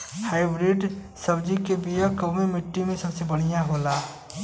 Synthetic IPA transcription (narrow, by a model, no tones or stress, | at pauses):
haɪbɾiɖ | səbd͡ʒikebijəkəmemiʈːimẽsəbsebəɽ̃ijaɦola